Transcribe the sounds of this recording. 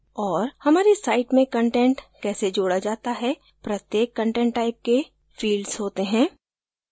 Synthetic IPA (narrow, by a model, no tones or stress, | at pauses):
ɔːɾhɐmaːɾesaːɪʈmẽkə̃ɳʈɛ̃ɳʈkɛːsed͡ʒoːɽad͡ʒaːt̪aɦɛ | pɾɐt̪jeːkːə̃ɳʈɛ̃ɳʈːaːɪp̚ke | fiːlɖz̥ɦoːt̪eɦɛ̃ː